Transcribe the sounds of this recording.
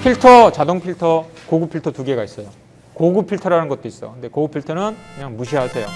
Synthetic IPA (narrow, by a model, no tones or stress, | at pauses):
pʰiɭtʰʌt͡ɕadoŋpʰiɭtʰʌkoɡupʰiɭtʰʌtuɡe̞ɡais͈ʌjo | koɡupʰiɭtʰʌɾanɯnɡʌt̚t͈ois͈ʌkɯnde̞koɡupʰiɭtʰʌnɯnkɯɲaŋmuɕ̬ʰiɦasʰejo